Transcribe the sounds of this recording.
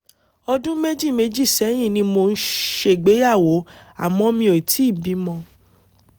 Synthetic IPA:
ɔ˧dũ˦me˦d͡ʒi˦˨me˧d͡ʒi˦˨sɛ˨˦j̃ĩ˦˨nĩ˧mo˧n̩˦ʃe˧˨ɡ͡be˨˦ja˦˨wo˨˦a̰˦˨mɔ̃˧mĩ˧o˨i˨ti˨˦˨bi˨˦mɔ̃˧

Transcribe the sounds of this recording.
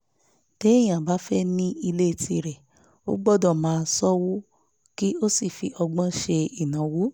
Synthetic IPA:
te˨˦˨j̃ã˨ba˨˦fɛ˦nĩ˦i˧le˦i˧˨tʰi˧ɾɛ˨ | o̰˦ɡ͡bɔ˦˨dɔ˦˨mãː˨˦˧sɔ˦wu˦ | ki˦o˦si˦˨fi˧ʔɔ˧ɡ͡bã˦ʃe˧i˨nã˨˦wu˨˦

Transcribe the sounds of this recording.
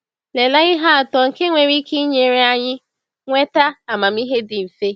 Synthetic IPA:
le˨la˦ɣɪ˦ɦa˦a˨tɔ˨ŋ̩˨ke˦ŋʷe˨ɾi˦kʰi˦ɲe˨ɾe˦a˦ɲɪ˦ | ŋʷe˦ta˦a˨ma˨m̩˦i˦ɦe˦dɪ˨m̩˨fe˦

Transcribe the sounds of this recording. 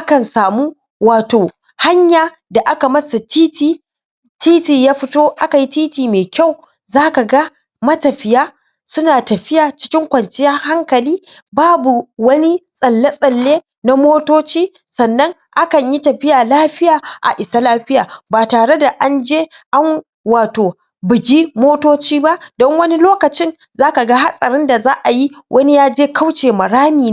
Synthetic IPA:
ʔa˦kɐ˨nsaː˨muː˦ | waː˨toː˨ | ha˦ɲjaː˨ | da˨ʔa˦ka˨mɐ˦sa˨tiː˦tiː˨ | tiː˦tiː˨jaː˦ɸɪ˦toː˦ʔa˦ka˨ji˦tiː˦tiː˨meː˨kʲa˦˨w | zaː˦ka˨ɡa˦ | mɐ˦tɐ˨ɸɪ˦jaː˦ | sʊ˦naː˨tɐ˨ɸɪ˦jaː˨t͡ʃɪ̥˦kʲɪ˦ŋkʷɐ˨nt͡ʃɪ˦jɐ˦ŋha˦ŋkɐ˨liː˦ | baː˦bu˨wɐ˦ni˦sʼɐ˨lːe˦sʼɐ˨lːeː˦ | na˦moː˦toː˦t͡ʃiː˦ | sɐ˨nːɐ˦ŋ | ʔa˦kɐ˨ɲji˦tɐ˨ɸɪ˦jaː˨laː˦ɸɪ˦jaː˨ʔa̰˨ʔɪ˨sa˦laː˦ɸɪ˦ja̰ː˨baː˨taː˨ɽe˦da˨ʔa˦nd͡ʒeː˦ | ʔa˦ŋ | waː˨toː˨ | bʊ˨ɡʲi˦moː˦toː˦t͡ʃiː˦ba˦ʔdɔ˦ŋwɐ˦ni˦loː˦kɐ˨t͡ʃɪ˦n | zaː˦ka˨ɡa˦ɦa˦sʼɐ˨ɾɪ˦nda˨zaː˦ʔa˨ji˦wʔɐ˦ni˦jaː˦d͡ʒeː˦ka˦wt͡ʃeː˨mɐ˨ɽaː˦miː˨n˦

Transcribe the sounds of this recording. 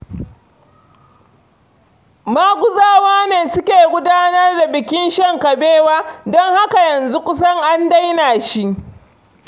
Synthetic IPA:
maː˦ɡʷʊ˦zaː˦waː˦neː˨sʊ˦kʲeː˨ɡʷʊ˦daː˦nɐ˦rda˨bɪ˨kʲɪ˦nʃɐ˦ŋkɐ˨beː˦waː˦dɔ˦ŋha˦ka˨jɐ˨nzu˦kʷʊ˦sɐ˦ŋʔa˦nda˦jnaː˨ʃi˦ʔ

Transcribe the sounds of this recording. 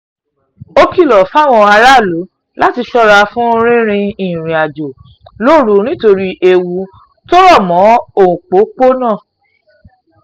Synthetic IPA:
o˦ki˦˨lɔ˨fa˦˨w̃ɔ̃˧a˧ɾa˦˨lo˨˦ | la˦ti˧ʃɔ˦ɾa˧fũ˦˧ɾ̃ĩ˦ɾ̃ĩ˧ĩ˦˨ɾ̃ĩ˨a˨d͡ʒo˨ | lo˦˨ɾu˨˦ñĩ˦to˧ɾi˧ʔe˧wu˧˦ | to˦ɾɔ˦˨mɔ̃˨˦o˨ũ˨k͡po˨˦k͡po˦nã˦˨

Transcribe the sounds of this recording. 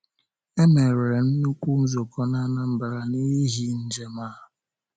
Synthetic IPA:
e˦me˨ɾe˨e˨n̩˦nu˦kʷu˦n̩˦zo˨kɔ˦na˦na˦m̩˦˨ba˨ɾa˨ni˦ɦi˦n̩˦d͡ʒe˦maː˦˨

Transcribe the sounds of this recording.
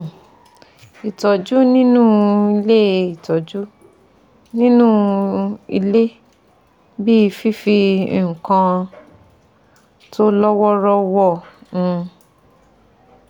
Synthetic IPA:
i˨tɔ˨d͡ʒu˦nĩ˦nũ˦˨i˧le˦i˨tɔ˨d͡ʒu˦ | nĩ˦nũ˦ | ḭ˧le˦ | bi˦i˧fi˦fi˧˨kã˧ | to˦lɔ˦wɔ˦ɾɔ˦˧wɔ˦˨ũ˧

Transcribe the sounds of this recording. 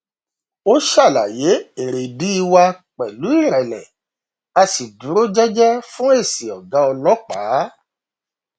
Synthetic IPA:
o˦ʃa˦˨la˨je˨˦e˨ɾe˨bi˨˦i˧wa˧k͡pɛ˨lu˨˦i˦˨ɾɛ˨lɛ̰̃˨ | a˧si˨dũ˨˦ɾo˦d͡ʒɛ˦d͡ʒɛ˦fũ˦e˦˨si˨ɔ˨ɡa˨˦ɔ˧lɔ˦k͡paː˨˦

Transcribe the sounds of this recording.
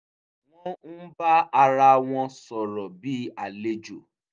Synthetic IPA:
w̃ɔ̃˦n̩˦ba˦a˧ɾa˧w̃ɔ̃˧sɔ˨ɾɔ˨bi˦a˦˨le˦d͡ʒo˨

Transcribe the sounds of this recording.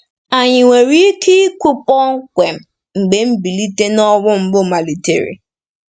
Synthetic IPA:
a˨ɲɪ˨ŋʷe˨ɾi˦ki˦ku˦pɔ˦ŋ̩˦kʷe˨m̩˨ | ŋ͡m̩˨ɡ͡be˨m̩˦bi˨li˦te˦nɔ˦wʊ˦m̩˦bʊ˦ma˨li˨tḛ˨ɾḭ˨

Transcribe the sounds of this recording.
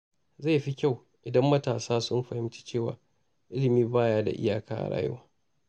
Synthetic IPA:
za˦˨ɸi˦kʲa˦˨w | ʔɪ˨dɐ˦mːɐ˦taː˨saː˦sʊ˦mɸɐ˨hɪ˦mt͡ʃi̥˦t͡ʃeː˦˨wa̰ː˨ | ʔɪ˦lɪ˨miː˦baː˦˨jaː˦da̰˨ʔɪ̰˦jaː˨kaː˦ʔa̰˨ɽa̰ː˦jʊ̰˦waː˦

